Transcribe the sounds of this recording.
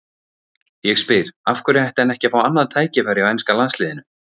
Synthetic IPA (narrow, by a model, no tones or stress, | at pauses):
jɛɣspɪɾ̥afkʏɾajht̪ɛnɛhcɪfawanːaðt̪ʰaːjcɪfaɾɪawɛjnskalanslɪːðɪnʏm